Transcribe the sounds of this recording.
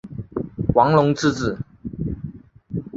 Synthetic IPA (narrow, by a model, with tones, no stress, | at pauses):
wɑ˧˥ŋlʊ˧˥ŋt͡sɹ̩˥˧t͡sɹ̩˥˩